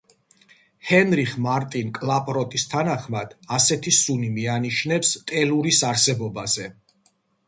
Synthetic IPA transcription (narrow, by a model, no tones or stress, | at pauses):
hɛnɾiχmaɾt̪ʼinkʼlapʼɾɔt̪ʼist̪ʰanaχmad̪̥asɛt̪ʰisunimianiʃnɛpst̪ʼɛluɾisaɾsɛbɔbazɛ